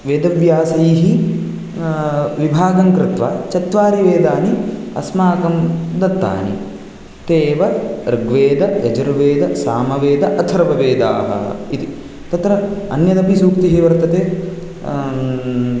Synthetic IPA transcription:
ʋeːd̪ɐʋjaːsɐjɦi | ʋibʱaːɡɐŋkɾɪt̪ʋa̰ːt͡ʃɐt̪ʋaːɾiʋeːd̪aːniɐ̰smaːkɐmd̪ɐt̪ːa̰ːnḭ | t̪eːʋɐɾɐɡʋeːd̪ɐɡɐd͡ʒɐɾuʋeːd̪ɐsaːmɐʋeːd̪ɐʔɐt̪ʰɐɾɐbɐʋeːd̪aːɦɐ̰id̪i | t̪ɐt̪ɾɐɐnjɐd̪ɐpisuːkt̪iɦiʋɐɾt̪ɐt̪eː

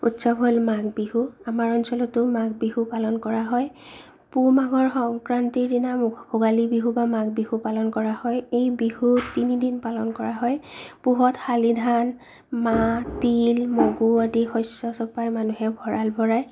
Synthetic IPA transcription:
utsɔbɦolmaɡbiɦuamaɹɔnsɔlɔtʊmaɡbiɦupalɔnkɔɹaɦɔj | pumaɡɔɹxɔŋkɹantidinabʱʊɡalibiɦubamaɡbiɦupalɔnkɔɹahɔjejbiɦutinidinpalɔnkɔɹaɦɔjpuɦɔtxalidʱan | matilmɔɡuadixɔjsɔsɔpajmanuɦɛbʱɔɹalbʱɔɹaj

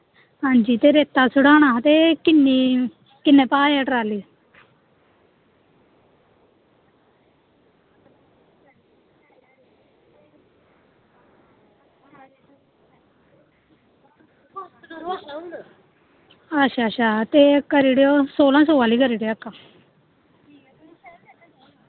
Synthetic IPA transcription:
hãːɲd͡ʒiːt̪eːɾeːt̪ːaːsʊɽaːnaːt̪eːkɪnːiː | kɪnːẽːpaːɛːʈəɾaːliː | əʃʰaːət͡ʃʰaːt̪eːkəɾiːɽejoːsoːlãːsoːʋaːliːkəɾiːɽeəkːãː

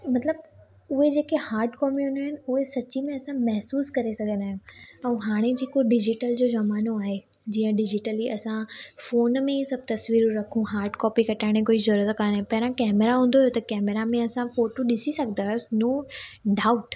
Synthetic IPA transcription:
mɐt̪ləb̚ | ʊɦed͡ʑeːkehaːɾʈkɔːpiɦũnaːɦɪn̆ʊɦesɐt͡ɕimẽɐsãmɛɦsuːskɐɾesɐɡʱə̃nd̪aːɦɪũɛ̃ɦaːɽ̃ed͡ʑiːkoɖɪd͡ʑɪʈəld͡ʑoːzɐmaːnoaːɦe | d͡ʑiːə̃ɖɪd͡ʑɪʈəliʔɐsãfoːnmẽisɐb̚t̪ɐsʋiːɾuɾɐkʰũɦaːɾʈkɔːpikɐʈʰaːɪɽ̃ẽkoːizɐɾuɾət̪kaːnẽpɐɦɪɾãkɛːmeɾaɦũːn̆d̪oɦjot̪ɐkɛːmeɾamẽɐsãfoːʈoɗɪsisɐɡʱənd̪aːɦosnoːɖaːʊʈ

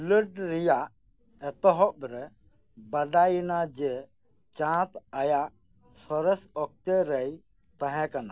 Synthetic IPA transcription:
ləʈɾijaʔː | t̪ɔɦɔʔ̚ɾɛ | bəɖajnad͡ʒɛ | t͡ʃãt̪ajaʔ | sɔɾɛsɔk̚t̪eɾɛj | t̪aɦɛ̃kana̰

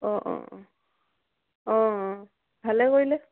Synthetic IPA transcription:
ɔ̃ʔɔ̰ɔ̃ | ɔ̃ | bʱalɛkoɹilɛ

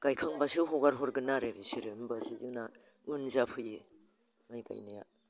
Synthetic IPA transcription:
ɡ̥ajkʰaŋbasɯɦɔɡaɾɦɔɾɡɯnaɾebisiɾenbasizɯna | ɯnzapʰɯje | majɡa̰jnaja̰

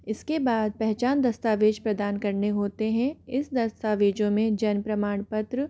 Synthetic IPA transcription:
ɪskebaːd̪̚pɛɦt͡ʃaːnd̪ɐst̪aːʋeːd͡ʒpɾɐd̪aːnkɐɾneɦoːt̪eɦɛ̃ɪsd̪ɐst̪aːʋeːd͡ʒõmẽd͡ʒɐnpɾɐmaːɳ̃pɐt̪ɾə

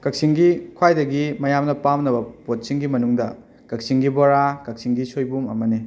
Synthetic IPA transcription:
kɐk̚siŋɡikʰwajdɐɡimɐjamnɐpamnɐbɐpot̚siŋɡimɐnuŋdɐ | kɐk̚siŋɡiboɾakɐk̚siŋɡisojbumɐ̰mɐni

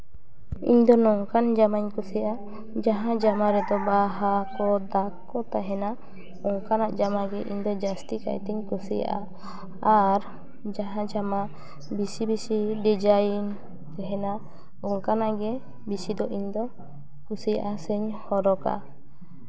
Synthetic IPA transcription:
ḭɲd̪ɔnɔŋkand͡ʒamaɲkusɛjʔa | d͡ʒaɦãd͡ʒamaɾɛd̪ɔbaɦakɔd̪akː | ɔt̪aɦɛna | ɔŋkanaʔd͡ʒamaɡɛʔiɲd̪ɔd͡ʒast̪ika̰jɛt̪ɛɲkusɛja̰ʔa̰ | aɾ | d͡ʒaɦãd͡ʒama | bisibisiɖɛd͡ʒajin | t̪ɛɦɛna | ɔŋkanaʔɡɛ | bisid̪ɔʔiɲd̪ɔ | kusija̰ʔasɛɲhɔɾɔka̰

